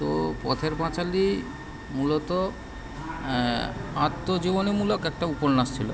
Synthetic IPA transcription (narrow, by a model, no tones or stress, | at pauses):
t̪ɔpɔt̪ʰeɾpãt͡ʃali | mulɔt̪ɔ | at̪ːod͡ʑibɔnemulɔkɛk̚ʈaupɔɾnast̪ʰilɔ̰